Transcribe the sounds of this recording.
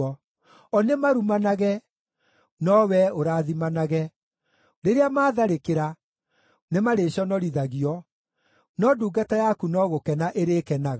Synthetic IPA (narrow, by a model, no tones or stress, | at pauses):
ɔ | ɔnemaɾumanaɣɛ | nɔwɛoɾaðimanaɣɛ | ɾeɾeamaːðaɾekeɾa | nemaɾeɕɔnɔɾiðaɣiɔ | nɔduːɡatajakunɔɣokɛnaʔeɾeːkɛnaɣa